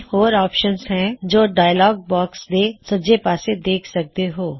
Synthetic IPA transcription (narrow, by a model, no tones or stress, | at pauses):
hoːɾɔːpʃənzɦɛ̃d͡ʒoːɖaːjəlɔːɡ̚bɔːksd̪esɐd͡ʒepaːsed̪eːkʰsɐk̚t̪eɦoː